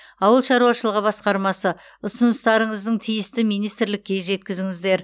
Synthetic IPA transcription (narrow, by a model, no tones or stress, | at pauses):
ɑwəlˠʃɑɾuwɑʃəlˠəʁəbɑsqɑɾmɑsə | ʊsʊnəst̪ɑɾəɴəzd̪əɴt̪ʰijɪst̪ɪmijnijst̪ɪɾlɪkʲːe̞ʒe̞t̪̚kʲɪzɪŋɪzd̪e̞ɾ